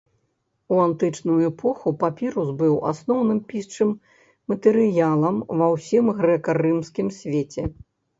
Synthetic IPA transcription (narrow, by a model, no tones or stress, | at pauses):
uant̪ɨt͡ʂnujuɛpʰɔxupapʲiɾuzbɨwa̰snɔwnɨmpʲist͡ʂɨmː | ɐt̪ɛɾɨjalˠɐmvɐwsʲimɣɾɛkɐɾɨmskʲimsʲvʲet͡sʲɛ